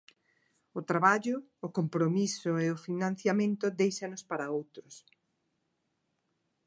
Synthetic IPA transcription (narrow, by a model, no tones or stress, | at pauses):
ʊt̪ɾaβaʎʊːkompɾomisʊeʊfinãnθjamẽnt̪ʊd̪ejʃanʊspaɾaowt̪ɾʊs